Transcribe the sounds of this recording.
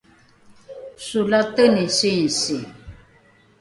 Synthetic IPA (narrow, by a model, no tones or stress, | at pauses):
sulat̪ənisinsi